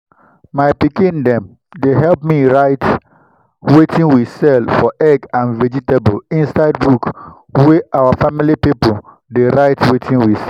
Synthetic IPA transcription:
maɪpikĩndɛ̃m | deɦɛlp̚miɹaɪt | wetʰĩnwisɛlfɔʔɛɡãnvɛd͡ʒitebolĩnsaɪdbuk | weʔawafamilipipol | deɹaɪtʰwetʰĩnwisɛ

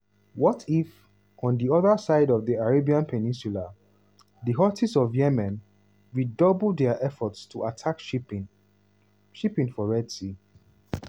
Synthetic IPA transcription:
wɔtʰif | ɔ̃ndiɔðəsaɪdɔvðiaɹebiãnpʰɛnĩnsula | ðiɦɔtisɔvjɛmɛ̃n | ɹidɔbl̩dɛaʔɛfɔtstʰuʔatʰakʃ | ʃipĩŋfɔɹɛdsi

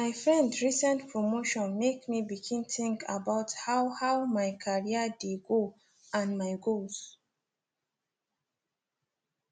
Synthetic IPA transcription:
maɪfɹɛ̃ndɹisɛ̃ntpʰɹomoʃɔ̃nmekmibikʰĩnθĩŋkʰabaʊthaʊhaʊmaɪkʰaɹiədeɡo | ãnmaɪɡos

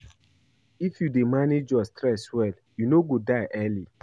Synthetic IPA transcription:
ifjudemaned͡ʒɔstɾɛswɛl | junoɡodaɪʔɛli

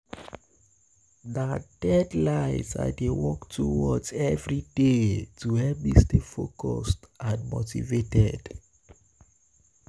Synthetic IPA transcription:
ðəd̥ɛdlaɪza̰dewɔktʰːuwɔdzɛvɹidetuhɛp̚bistefokʰɔstãnmotḭvetɛd̥

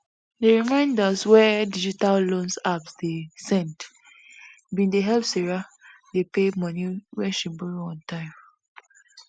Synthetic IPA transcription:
deɹimãɪ̃ndaswɛdid͡ʒitallõnsapsdesɛ̃nt | bĩndeɦɛlpseɹa | depemɔniɹɛʃĩnbuɹoɔ̃ntʰãɪ̃m

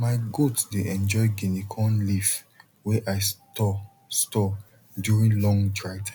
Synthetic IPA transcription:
maɪɡotdeʔɛ̃nd͡ʒɔɪɡinikʰɔ̃nlif | wɛʔaɪtɔ | stɔ | djuɹĩnlɔ̃ŋdɹaɪtʰã

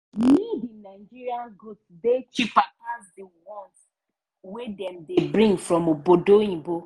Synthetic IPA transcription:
nidĩnaɪd͡ʒiɾianɡɾutsdet͡ʃipakazdiwɔ̃ns | wedɛ̃mdebɾĩŋɡfɾɔmobodoĩbo

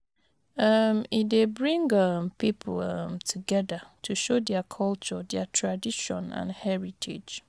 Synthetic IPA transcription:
amidebɹĩŋɡãmpʰipʰlamtʰuɡɛdatʰuʃodɛakʰɔlt͡ʃɔdɛatʰɹadiʃɔ̰̃nã̰nhɛɹitʰḛd͡ʒ

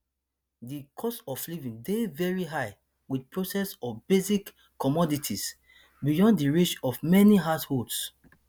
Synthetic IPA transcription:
dikʰɔsɔflivĩndevɛɹiɦaɪ | wid̚pʰɹosɛsɔfbezikː | ɔmɔditʰis | bijɔ̃ndiɹiʃɔvmɛniɦatholds

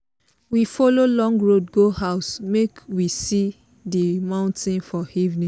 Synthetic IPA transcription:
wifololɔ̃ŋɡɹod̚ɡoɦaʊsmekwisi | dimãʊ̃ntʰĩnfɔivnĩ

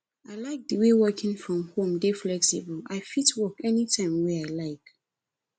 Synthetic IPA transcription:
aɪlaɪk̚dəwewɜkʰɪ̃ŋfɹɔ̃mhõmdeflɛksibəlaɪfitwɔkɛnitʰãɪ̃mweaɪlaɪk

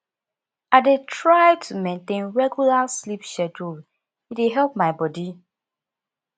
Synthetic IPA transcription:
aɪdetɹaɪtʰumẽntẽnɹɛɡjulaslipʃɛdu | itdeɦɛlˠp̚maɪbɔdi

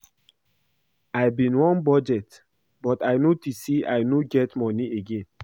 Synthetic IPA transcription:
ajbĩnwɔ̃nbɔd͡ʒɛt | bɔtaɪnotisiajnoɡɛtmɔnieɡẽn

